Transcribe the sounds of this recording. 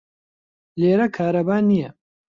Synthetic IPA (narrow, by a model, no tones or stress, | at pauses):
leːɾɐkʰaːɾɐbaːnijɛ